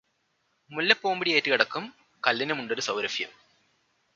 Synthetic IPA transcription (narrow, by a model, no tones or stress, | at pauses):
mulːɐpːoːmbiɽiɐːtːɨkiɽɐkːum | kɐlːɐnɐmuɳɖo̞ɾusɐwɾɐfijɐ̰m